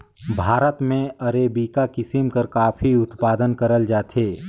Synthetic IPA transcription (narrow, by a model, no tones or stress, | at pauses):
bʱaːɾət̪mẽɐɾeːbiːkakɪsimkɐɾkaːfʰiʊt̪paːd̪ənkɐɾəld͡ʒaːt̪eː